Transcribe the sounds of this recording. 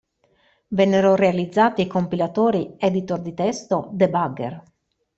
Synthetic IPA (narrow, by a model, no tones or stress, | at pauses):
vɛnːeɾorealid̪zːaːt̪ikompilat̪oːɾiɛd̪it̪ord̪it̪ɛst̪od̪ebaɡḛr